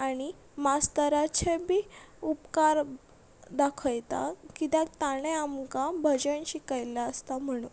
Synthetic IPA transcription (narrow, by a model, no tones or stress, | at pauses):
aɽ̃i | mast̪əɾat͡ɕʰebiupkaɾ | d̪akʰəjt̪a̰kit̪ãt̪aɽ̃eamkabʱəd͡ʑəɳɕikəjlaəst̪am̤əɽ̃uːn